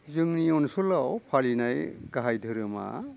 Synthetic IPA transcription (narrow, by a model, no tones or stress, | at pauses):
zɯŋniɔnsulawpʰalinajɡaɦajdʱɯɾɯma̰